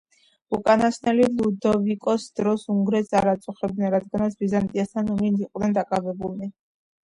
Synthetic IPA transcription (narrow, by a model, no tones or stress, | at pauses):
ukʼanasnɛlilˠud̪ɔvikʼɔsd̪ɾɔsuŋɡɾɛsaɾat̪sʼuχɛbd̪nɛnɾad̪ɡanat̪sʰbizant̪ʼiast̪ʰanuminiqʼvd̪nɛnd̪akʼavɛbulˠni